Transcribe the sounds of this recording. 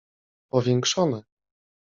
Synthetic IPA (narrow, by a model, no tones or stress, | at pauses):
pɔvʲjɛŋkʂɔnɛ